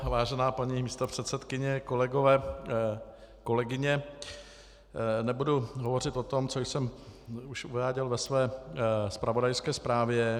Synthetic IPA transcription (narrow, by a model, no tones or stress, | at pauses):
vaːʒɛnaːpaɲimiːst̪opr̥ɛt̪sɛt̪kɪɲɛko̞lɛɡovɛː | ko̞lɛɡɪɲɛ | nɛbuduɦovo̞r̝ɪt̪ʔo̞t̪o̞mt͡sojsɛmuʃuvaːɟɛlvɛsvɛːspɾavodajskɛːspɾaːvjɛ